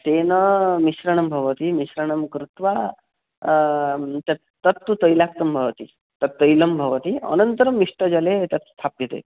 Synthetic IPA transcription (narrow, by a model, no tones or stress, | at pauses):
t̪enɐmiʃɾɐɳɐmbʱɐʋət̪imiʃɾɐɳ̃ɐmkɾut̪ʋa | t̪ɐ | t̪ɐt̪ːut̪əjlak̚t̪ɐmbʱɐʋɐt̪i | t̪ɐt̪ːəjlɐmbʱɐʋɐt̪iɐ̰nɐnt̪ɾɐmːiʂʈəd͡ʒɐlet̪ɐt̪st̪ʰapit̪ḛ